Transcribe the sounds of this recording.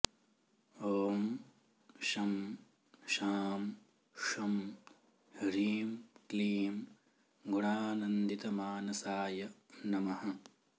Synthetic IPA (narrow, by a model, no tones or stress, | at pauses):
oːm | ʃɐm | ʃaːm | ʃɐm | ɾiːmkliːm | ɡuɳaːnɐnd̪it̪ɐmaːnɐsaːjɐnɐmɐɦɐ